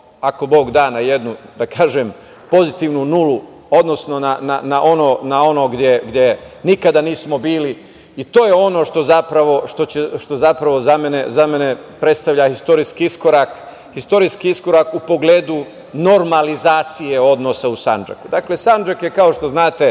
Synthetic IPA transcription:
ako̞bo̞ːɡd̪aːnaje̞d̪nud̪akaːʒem | po̞zit̪iːʋnunulu | o̞d̪no̞sno̞nananaʔo̞no̞ːnao̞no̞ɡd̪jeɡd̪jenikad̪aniːsmo̞biːli | it̪o̞ːjeo̞no̞ʃt̪o̞zapɾaʋo̞ʃt̪o̞t͡ɕeʃt̪o̞zapɾaʋo̞zamenezame̞nepɾe̞t̪st̪aʋʎahist̪o̞ɾiskiisko̞ɾak | hist̪o̞ɾiːskiisko̞ɾakupo̞ɡleːd̪u | no̞ɾmalizaːt̪sijeo̞d̪no̞sausand͡ʒa̰kud̪akle̞sand͡ʒakjekao̞ʃt̪o̞znaːt̪e̞

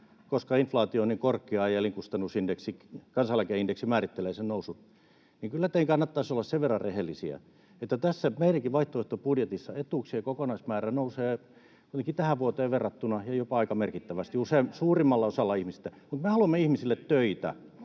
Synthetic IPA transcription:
koskɑinflɑːt̪iooniŋkorkiɑjeliŋkust̪ɑnːusindeksikɑnsɑlækeindeksimæːrit̪ːeleːsennousu | niŋkylːæt̪eiŋkɑnːɑt̪ːɑisolːɑsseʋerːɑrrehelːisiæ̰ | et̪ːæt̪æsːæmeiɾæŋkiʋʋɑiht̪oeht̪opudjet̪isːɑet̪uːˑksiekokonɑismæːrænouseː | kut̪eŋkit̪æhæʋʋuot̪eːʋerːˑɑt̪ːunɑjɑjopɑɑikɑmerkit̪ːæʋæst̪iuseːmsuːrimːɑlːɑosɑlːɑihmist̪ːæmut̪mehɑluɑmːeihmisilːet̪tøit̪æ̰

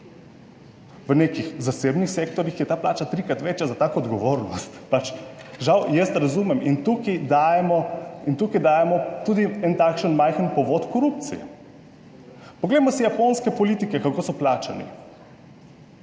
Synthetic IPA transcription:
ʋənekixzasebnixsek̚t̪ɔɾjixjɛt̪aːplaːt͡ʃat̪ɾikɾat̪ʋɛt͡ʃjazat̪aːkɔːd̪ɡɔʋoːɾnɔst̪pat͡ʃʒawjɛst̪ɾazumɛmint̪ukid̪ajɛmɔint̪ukid̪aːjɛmɔt̪uːd̪iɛnt̪aːkʃənmajxənpɔʋot̪kɔɾup̚t̪sḭjɛ̰ | pɔɡlɛjmɔsijaponskɛpɔliːt̪ikɛkakoːsɔplaːt͡ʃa̰nḭ

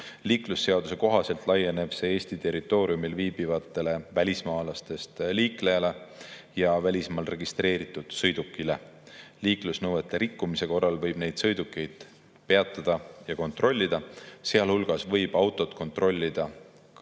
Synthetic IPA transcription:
liːklusːe̞ɑd̪use̞ko̞ɦɑse̞lt̪ˑlɑjːe̞ne̞b̥se̞eːsʲt̪it̪e̞rit̪ːˑo̞ːɾiumilviːbivɑt̪ːˑe̞le̞vælʲismɑːlɑst̪e̞st̪liːkle̞jɑle̞jɑvælʲismɑːlre̞ɡ̥ist̪re̞ːɾit̪ːˑud̪̥sɤjd̪ukːile̞liːklusnɤwe̞t̪ːˑeɾikˑːumise̞ko̞rːɑlvɤjb̥ne̞jd̪̥sɤjd̪ukːˑe̞jd̪̥ | pe̞ɑt̪ːˑɑd̪̥ɑjɑko̞nt̪ro̞lʲːid̪̥ɑseɑlhulɡ̥ɑsvɤ̞jb̥ɑwt̪ːˑo̞t̪ːˑko̞nt̪ro̞lʲːid̪̥ɑ

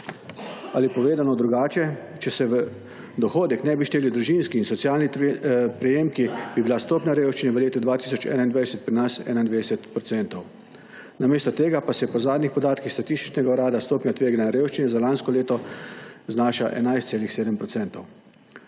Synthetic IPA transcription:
alipɔʋeːd̪anɔd̪ɾuɡaːt͡ʃɛ | t͡ʃɛsɛʋə | d̪ɔxoːd̪ɛknɛbiʃt̪eːliwd̪ɾuʒinskiːnsɔt̪sjaːlnipɾɛjeːmkibibilast̪oːpnʲjaɾewʃt͡ʃinɛʋəleːt̪ud̪ʋaːt̪iːsɔt͡ʃɛ̰ːnaind̪ʋajsɛt̪̚pɾinasɛ̰ːnaind̪ʋeːd̪sɛt̪pɾɔtsɛnt̪ɔw | nameːst̪ɔt̪eːɡapasɛpɔzaːd̪nixpɔd̪aːt̪kixst̪at̪ist̪i̥t͡ʃnɛɡauɾaːd̪ast̪oːpnʲat̪ʋeːɡanaɾeːwʃt͡ʃinɛzalanskɔleːt̪ɔ | znaːʃaʔɛ̰najst̪seːlixseːd̪əmpɾɔtsɛnt̪ɔw

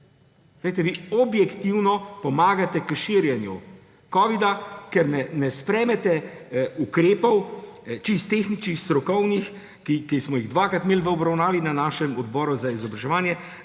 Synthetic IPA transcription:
lejt̪ɛʋiɔbjɛkt̪iwnɔpɔmaːɡat̪ɛkəʃiɾjɛnjṵ | kɔːʋid̪akɛɾnɛnɛspɾɛːmɛt̪ɛukɾeːpɔwt͡ʃist̪ːexnit͡ʃnixst̪ɾɔkɔwnix | kikismɔjiɣd̪ʋaːkɾat̪meːlʋəɔbɾawnaːʋinanaːʃɛmɔd̪bɔːɾuzaizɔbɾaʒɛʋaːnjɛ

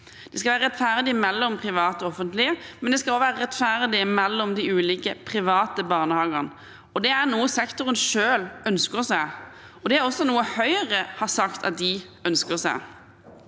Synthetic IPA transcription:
d̪̥ɛskɑʋæːɾəʁɛt̪ːfæʁd̪ɪmɛlːɔmpʰʁɪʋɑːt̪ɔɔfənt̪lɪəmɛnd̪ɛskɑloːʋæːɾəʁɛt̪fæʁd̪ɪəmɛlːɔmd̪ɪʉːliːkəpʰʁɪʋɑːt̪əbɑʁnəhɑːɡəʁn | ɔd̪ɛæʁnuːəsɛkt̪ʊʁənʂøːlœnskəʁsæɪ | ɔd̪ɛæʁɔsːɔnuːəhœʏəʁəhɑʁsɑkt̪ʰɑ̰t̪̚d̪ɪœnskəʁsæ̰ɪ

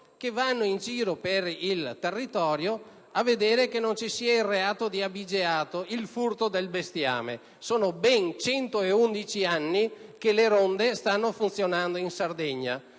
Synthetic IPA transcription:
kevanːoind͡ʒiːɾoperilt̪erːit̪ɔːɾjo | aved̪eːɾekenont͡ʃisiːailreaːt̪od̪iabid͡ʒeaːt̪oilfurt̪od̪elbest̪ja̰ːmḛ | soːnobɛnt͡ʃɛnt̪oeund̪it͡ʃianːikeleɾond̪est̪anːofunt̪sjonand̪oinsard̪ɛɲːa̰

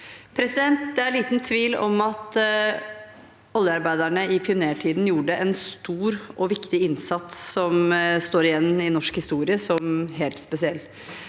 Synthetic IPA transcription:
pʰɾɛsɪd̪ɛnt̪̚d̪ɛæɾɭiːt̪nt̪ʰʋiːlɔ̰mɑt̪ | ɔlːjəɑɾbæɪd̪æɳəɪpʰɪʊneːʈʰiːd̪n̩juːɖəʔɛnst̪uːɾʔɔʋɪkt̪ɪɪnsɑt̪ssɔmst̪oːɾɪjɛnːɪnɔʂkhɪst̪uːɾɪəsɔmɦeːlt̪spɛsɪɛlː

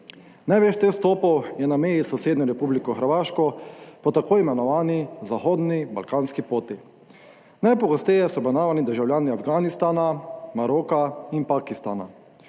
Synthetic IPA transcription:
najʋeʃt̪est̪oːpɔwjɛnameːjisɔseːd̪nɔɾɛpublikɔxəɾʋaːʃkɔpɔt̪akoːimɛnɔʋaːnizaxoːd̪nibalkaːnskipoːt̪i | najpɔɡɔst̪ɛjɛsɔbɾɛnaːʋanid̪əɾʒawlʲjaːniafɡaːnist̪aːnamaɾoːkainpakist̪a̰ːna̰

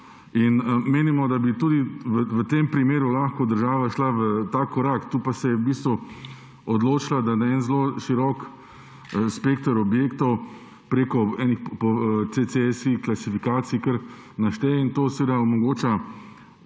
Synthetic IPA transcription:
inmeːnimɔd̪abit̪uːd̪iʋəʋət̪eːmpɾimeːɾulaːxkɔd̪əɾʒaːʋaʃlaʋət̪akːɔɾakt̪uːpasɛjɛbiːst̪ʋu | ɔd̪loːt͡ʃilad̪anaɛnzloʃiɾɔk | speːkt̪ɔɾɔbjeːkt̪ɔw | pɾeːkɔɛːnixpɔt͡s̪et͡s̪esiklasifikaːt̪sijikəɾ | naʃt̪ɛint̪oːsʋeːd̪aomɔɡoːt͡ʃa

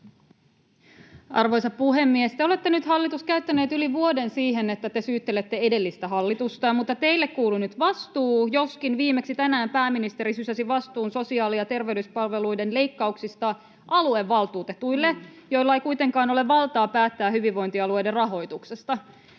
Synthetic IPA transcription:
ɑ̰rʋo̞jsɑpuɦe̞mːiest̪eole̞t̪ːe̞nyt̪hɑlːit̪uskæyɥt̪ːæneːt̪yliʋuo̞de̞nsiːɦe̞net̪ːæt̪esyːt̪ːelet̪ːe̞e̞de̞lːist̪æɦɑlːit̪ust̪ɑmut̪ːɑt̪e̞jlːekkuːlunyt̪ʋɑst̪uːjo̞skinʋiːme̞ksit̪ænæːmpæːminist̪e̞ɾisysæsiʋɑst̪uːnso̞siɑːlijɑt̪e̞rʋeyspɑlʋe̞lujdenle̞jkːɑuksist̪ɑ | ʔɑlueʋːɑlˠt̪uːt̪e̞t̪ujlːe̞jo̞jlːɑejkujt̪e̞ŋkɑːno̞leʋʋɑlˠt̪ɑːpæːt̪ːæːhyʋiʋʋo̞jnt̪iɑlue̞jderɑɦo̞jt̪ukse̞st̪ɑ

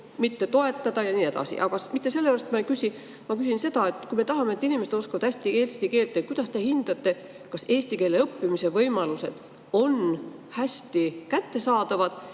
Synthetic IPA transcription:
mit̪ːe̞t̪o̞e̞t̪ːˑɑd̪̥ɑjɑniːe̞d̪ɑ̰sḭʔɑ̰kɑsmit̪ːe̞se̞lːeæɾɑst̪mɑejkysʲi | mɑkysinse̞d̪ɑe̞t̪ːˑkujme̞t̪ɑɦɑmet̪ːˑinimesed̪o̞skɑvɑd̪æsʲt̪ieːlst̪ike̞ːlt̪ːˑet̪̚kujd̪̥ɑst̪e̞hind̪̥ɑt̪ːe̞ | kɑse̞ːsʲt̪ike̞ːle̞ɤpːimise̞vɤjmɑluse̞̰d̪̥ | o̞n | hæsʲt̪ikæt̪ːe̞sɑːd̪̥ɑvɑd̪̥

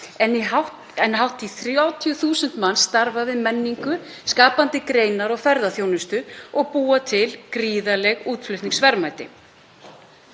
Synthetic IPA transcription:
ɛniɦawh | ɛnɦawht̪iθɾawt̪ʰijʏθuːsʏnt̪manːst̪aɾvavɪðmɛnːiŋkʏ | skaːpant̪ɪkɾeːjnaɾɔɣfɛɾðaθjownʏst̪ʏɔɣpuːat̪ʰɪlkɾiːðalɛɣuːt̪flʏht̪niŋksvɛɾmajt̪ɪ

